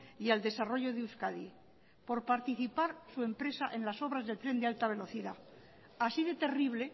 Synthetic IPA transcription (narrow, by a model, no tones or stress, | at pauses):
iald̪e̞saro̞ʝo̞ðeuskaði | po̞ɾpaɾt̪iθipaɾsue̞mpɾe̞saʔẽ̞nlaso̞βɾazðe̞lt̪ɾe̞nd̪ealt̪aβ̞e̞lo̞θiða | asiðe̞t̪e̞riβ̞le̞